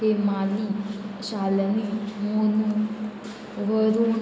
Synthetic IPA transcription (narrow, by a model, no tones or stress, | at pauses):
ɦemaliɕalnimonu | ʋʱəɾu